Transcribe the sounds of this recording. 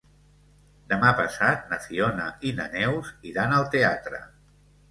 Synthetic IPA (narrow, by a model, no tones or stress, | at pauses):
d̪əmapə̰sat̪̚nəsionə̰inə̰nɛwziɾanəlˠt̪eat̪ɾə̰